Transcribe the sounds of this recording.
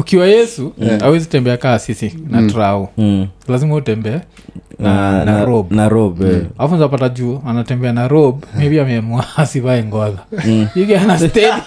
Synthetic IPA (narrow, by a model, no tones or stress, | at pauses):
ukiwajɛsuawɛzitɛmbɛakaːsisinatɾaulazimahutɛmbɛɛnanaɾɔbnaɾɔbaafunzap̬atad͡ʒuːanatɛmbɛanaɾɔbmiɛpiamɛmuaasiβaɛŋɡɔzaiɡaanastɛ